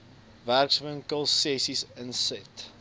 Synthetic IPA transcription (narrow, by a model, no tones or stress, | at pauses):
værksvəŋkəlˠsɛsisənsɛt